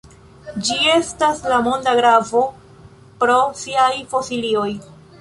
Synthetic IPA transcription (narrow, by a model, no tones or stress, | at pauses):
d͡ʒie̞staslamo̞ndaɡɾavo̞ | pɾo̞siajfo̞silio̞j